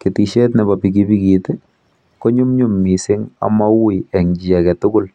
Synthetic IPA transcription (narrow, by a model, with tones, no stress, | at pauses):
kɪ˨ti˨ʃe˦tnɛ˨ba˨pi˨kibi˦ki˨tɪ | ko˦ɲʊ˦mɲʊ˦˨mːi˨sɪ˦ŋa̰˦ma˦wiɛ˨ŋd͡ʒi˨a˨kɛ˨tʊ˦ɡʊ˦l